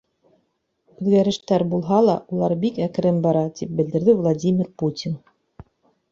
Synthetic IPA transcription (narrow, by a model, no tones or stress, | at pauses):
ʉðɡæɾɘ̆ʃt̪æɾbulˠɦɑlˠɑ̰ʔulˠɑɾbikækɘ̆ɾɘmbɑɾɑt̪ip̚bɘ̆ld̪ɘ̆ɾðɘvlˠadʲimʲirputʲin